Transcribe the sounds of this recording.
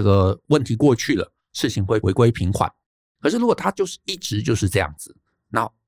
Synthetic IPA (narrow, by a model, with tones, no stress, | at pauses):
ə˥˩ɡə˩wə˥˩nt̪ʰi˧˥kwɔ˥˧t͡ɕʰy˥˩lə̰˩ | ʂɻ̩˥˩t͡ɕʰi˨˩ŋxwe˥˩ɪwe˧˥ɪkwe˥ɪpʰi˧˥ŋkʰwa̰˨˩˦n | kʰə˧ʂɻ̩˥˩ɻu˧˥wt̪ʰa˥t͡ɕjo˥˧ʊʂ̩˥˧i˥˩ʈ͡ʂɻ̩˧˥t͡ɕjo˥˧ʊʂɻ̩˥˧ʈ͡ʂɤ˥˧jɑ̰˥˩ŋd͡zɹ̩˨˩ | na˥˩